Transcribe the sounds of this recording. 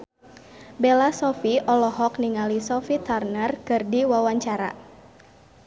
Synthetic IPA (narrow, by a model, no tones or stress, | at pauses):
belasɔfiɔlɔɦɔkniŋalisɔfit̪arnərkɨrdiwawaɲt͡ʃaɾa̰